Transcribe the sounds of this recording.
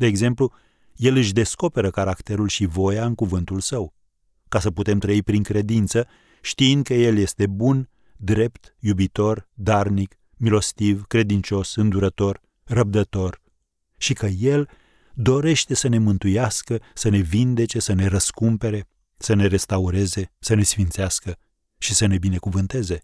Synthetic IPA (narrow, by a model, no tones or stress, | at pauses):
d̪e̞ːɡze̞mplu | je̞lɨʃ̬d̪e̞sko̞pe̞ɾəkaɾakt̪e̞ɾulʃivo̞jaɨŋkuvɨnt̪ulsəw | kasəput̪e̞mt̪ɾəipɾiŋkɾe̞d̪int̪sə | ʃt̪iind̪̚kəje̞lje̞st̪e̞bun | d̪ɾe̞pt̪jubit̪o̞rd̪arnik | milo̞st̪ivkɾe̞d̪int͡ʃo̞sɨnd̪uɾət̪o̞r | rəb̚d̪ət̪o̞r | ʃikəje̞l | d̪o̞ɾe̞ʃt̪e̞səne̞mɨnt̪ujaskəsəne̞vind̪e̞t͡ʃe̞səneɾəskumpe̞ɾe̞ | səne̞ɾe̞st̪auɾe̞ze̞səne̞sfint̪seaskə | ʃisəne̞bine̞kuvɨnt̪e̞ze̞